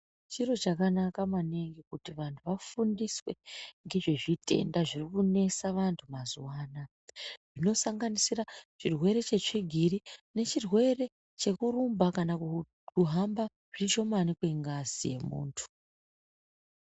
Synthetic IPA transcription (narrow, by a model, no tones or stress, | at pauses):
t͡ʃiro̞t͡ʃakanakamaneŋɡikutiʋantʰuʋafundiswe̞ŋɡe̞ʐe̞ʐitʰe̞̰ndaʐirikune̞saʋantʰumazuwaːna | ʐ̥ino̞saŋɡanisirat͡ʃirwe̞ɾe̞t͡ʃe̞t͡ʂiɡʱiɾine̞t͡ʃirwe̞re̞ | t͡ʃe̞kuɾumbakana | kuɦamba | ʐ̥it͡ʃo̞manikwe̞ŋɡazije̞̰mṵːntʰu̥